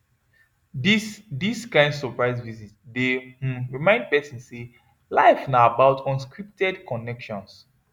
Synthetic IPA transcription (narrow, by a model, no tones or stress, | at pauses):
idiskãɪ̃ndsɔpɹaɪsvizitdehũɹimãɪ̃nd̚pɛsĩnsse | laɪfnaabaʊtʰɔ̃nskɹip̚tɛdkɔnɛkʃɔ̃ns